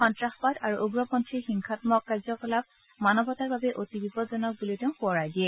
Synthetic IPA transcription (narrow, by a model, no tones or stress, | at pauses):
xɔntɹaxɔpadaɹuʔuɡɹɔpɔntʰiɹxiŋkʰatmɔkːaɹzɔkɔlab̚ | manɔbɔtaɹbabɛʔotibipɔtzɔnɔk̚bulitɛʊ̃puɔɹajdiɛ